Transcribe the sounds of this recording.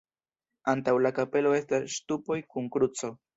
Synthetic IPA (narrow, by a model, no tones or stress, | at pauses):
ant̪awlakape̞lo̞e̞st̪asːt̪upo̞jkuŋkɾut͡sow